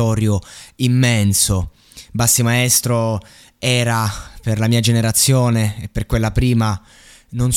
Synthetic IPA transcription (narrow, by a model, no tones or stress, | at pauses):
ɔːɾjoimːɛnso | basːimaest̪ɾo | ɛːɾaperlamiːad͡ʒeneɾat̪sːjoːneːpːerkwelːapɾiːma | nons